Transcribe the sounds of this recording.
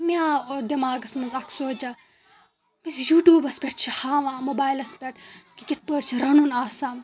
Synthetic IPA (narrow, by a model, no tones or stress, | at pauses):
miaːod̪ɐmaːɡɐsmɐzɐksoːd͡ʒɐ | misjuːʈjuːbɐspʲeʈ̚t͡ʃʰihaːʋãːmobaːjlɐspʲeʈkikʲit̪̚ʰpəʈt͡ʃʰiɾɐnunaːsaːm